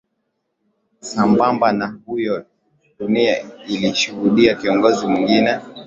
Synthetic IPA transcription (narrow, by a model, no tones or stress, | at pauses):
sambambanahujɔ | ɗuniailiʃuhuɗiakiɔŋɡɔzimwiŋɡinɛ